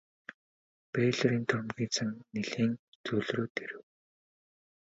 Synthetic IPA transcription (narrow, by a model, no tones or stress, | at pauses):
pæːɮɔɾiːnt̪ʰʊrmɣʲiːt͡sʰăŋneɮeːnt͡sʰɵɮroːt̪eɾɘ̆w